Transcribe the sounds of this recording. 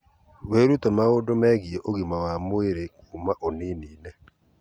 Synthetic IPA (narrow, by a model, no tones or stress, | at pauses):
weɾutemaodomɛɡieʔoɡimawamoeɾekuːmaʔoniniːnɛ